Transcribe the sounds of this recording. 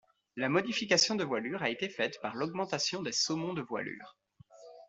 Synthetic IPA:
lamɔd̪ifikʲasjɔ̃d̪əvwalyʁaet̪efɛt̪paʁlɔɡmɑ̃t̪asjɔ̃d̪esɔmɔ̃d̪əvwa̰ly̰ːʁ

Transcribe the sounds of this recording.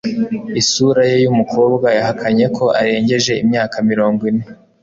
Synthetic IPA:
isuːɾajejumukʰo̞ːbɡajahakʰaɲe̞kʰo̞ʔaɾe̞ːɲɟe̞ʒe̞ḭmɲaːkamiɾo̞ːŋɡwine̞

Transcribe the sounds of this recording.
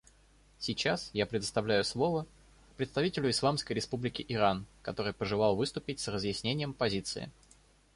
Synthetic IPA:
sʲɪt͡ɕasjapɾʲɪd̪əst̪ɐvlʲæjʊslˠo̞və | pɾʲɪt̪st̪ɐvʲitʲɪlʲʊɪslˠamskəjɾʲɪspublʲɪkʲɪʔɪɾankɐt̪o̞ɾɨjpəʐɨlˠɑlˠvɨst̪ʊpʲɪtʲsrəzjɪsʲnʲenʲɪjəmpɐzʲit̪sɨ̰ɪ̰

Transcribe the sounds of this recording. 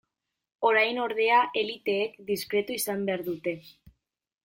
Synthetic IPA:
o̞ɾajno̞ɾð̞e̞aʔe̞lit̪e̞ːkd̪iskɾe̞t̪uisambeaɾðut̪e̞

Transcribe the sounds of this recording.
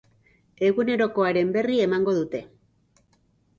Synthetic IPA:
e̞ɣune̞ɾo̞ko̞aɾe̞mbe̞rie̞maŋɡo̞ðut̪e̞

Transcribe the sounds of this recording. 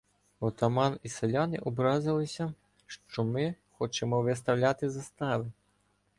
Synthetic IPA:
ɔt̪ɐmɑnisɛlʲanɪʔɔbɾɑzɪlˠɪsʲɐ | ʃt͡ʃɔmɪxɔt͡ʃɛmɔʋɪst̪ɐwlʲat̪ɪzɐst̪ɑʋɪ

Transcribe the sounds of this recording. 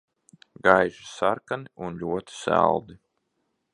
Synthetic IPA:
ɡajʒisaɾkaniunʎʲuɔt̪i̥sæ̰lˠd̪i

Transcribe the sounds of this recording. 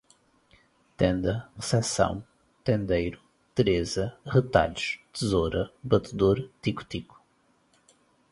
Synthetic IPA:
t̪ẽnd̪ɐʁɨsɛsɐ̰̃w̃ | t̪ẽnd̪ejɾu | t̪ɨɾezɐʁɨt̪a̰ʎuʃt̪ɨzoɾɐbɐt̪ɨðoɾt̪iku̥t̪iku̥

